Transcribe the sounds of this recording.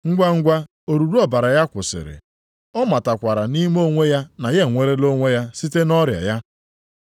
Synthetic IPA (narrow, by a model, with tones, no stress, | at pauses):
ŋ̩˦ɡʷa˦ŋ̩˦ɡʷa˦ | o˨ɾu˨ɾu˦ɔ˨ba˨ɾa˨ja˦kʷʊ˨sɪ̰˨ɾɪ̰˨ | ɔ˦ma˨ta˨kʷa˨ɾa˨ni˦m˦o˦ŋʷe˦ja˦na˨je˦˨ŋʷe˨ɾe˦lo˦ŋʷe˦ja˦si˦te˦nɔ˦ɾja̰˨ja˦